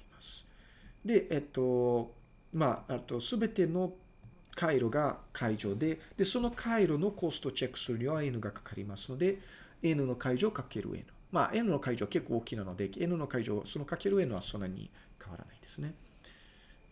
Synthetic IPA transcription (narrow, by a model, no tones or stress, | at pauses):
aɾʲimasɨ̥ | d̪e̞ʔet̪ːo̞ | maet̪ːo̞sɨbe̞t̪e̞no̞ | kʰaiɾo̞ɡakʰaiʑo̞ːd̪e̞d̪̥e̞so̞no̞kʰaiɾo̞no̞ko̞sɨ̥t̪ot͡ɕekːɯ̥sɨɾɯ̟ɲ̟iβae̞nɯ̟ɡakḁkaɾʲimasɨ̥no̞d̪e̞ | enɯ̟no̞kaiʑo̞ːkake̞ɾɯ̰ʔḛnɯ̟ma̰ʔe̞nɯ̟no̞kaiʑo̞ːake̞kːoːkʲinano̞d̪e̞enɯno̞kaiʑo̞̰ːso̞no̞kake̞ɾɯ̟e̞nɯ̟βaso̞nːaɲ̟ḭ | kaβa̰ɾa̰naid̪e̞̥sɨne̞